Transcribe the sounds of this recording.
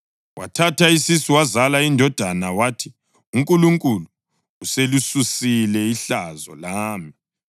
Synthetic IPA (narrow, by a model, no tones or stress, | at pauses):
wʔa̰tʰatʰaisisiwazalaindʱɔd̥ʱanawatʰi | uŋkʼuluŋkʼuluː | selususilɛiɬazɔ̰laːmi